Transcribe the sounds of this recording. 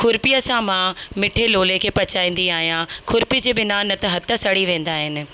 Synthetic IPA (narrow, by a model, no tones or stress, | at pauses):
kʰʊɾpijəsãmãmɪʈʰeloːlekʰeːpɐt͡ɕaːĩːnd̪iaːɦijãkʰʊɾpid͡ʑeːbɪnanɐt̪ɐɦɐt̪ʰə̆sɐɽiʋẽːn̆d̪aːɦɪnɪ̆